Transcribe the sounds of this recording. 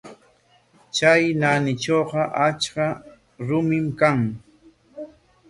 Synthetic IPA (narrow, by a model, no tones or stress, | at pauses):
t͡ʃajnanɪt͡ʃoqɑʔat͡ʃka | ɾʊmɪmkaŋ